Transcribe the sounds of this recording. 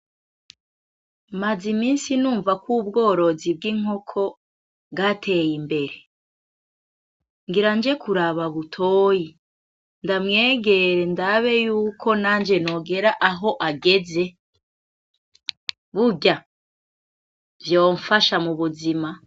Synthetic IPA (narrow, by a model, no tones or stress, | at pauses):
mazimiːnsinuːɱvakubɡo̞ːɾo̞zib̚ɡiŋ̥o̞kʰo̞ | bɡatʰe̞jimbe̞ɾe̞ | ŋɡiɾaːnd͡ʒe̞kuɾaβaβutʰoːji | ndamŋe̞ːɡe̞ɾe̞ndaβe̞juːkʰo̞naːnd͡ʒe̞no̞ɡe̞ɾaʔaɦo̞ʔaɡe̞ze̞ | βuɟa | vjoːɱfaʃamuβuzima